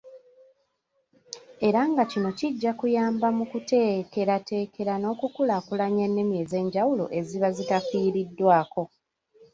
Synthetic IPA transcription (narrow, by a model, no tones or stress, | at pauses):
e̞ɾaŋɡacino̞ciɟːakujaːmbamukute̞ːke̞ɾate̞ːkʰe̞ɾano̞ːkukulakulaɲenːe̞mje̞ze̞ːɲɟawulo̰ʔe̞ziβazitafiːɾidːwaːko̞